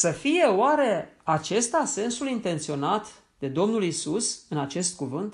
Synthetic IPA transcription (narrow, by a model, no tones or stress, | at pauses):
səfije̞oaɾe̞at͡ʃe̞st̪ase̞nsulint̪e̞nt̪sio̞nat̪ | d̪̥e̞d̪o̞mnulisusɨnat͡ʃe̞st̪̚kuvɨnt̪